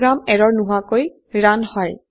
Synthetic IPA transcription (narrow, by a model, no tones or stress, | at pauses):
ɹamɛɹɔɹnuɦakoj | ɹanhɔj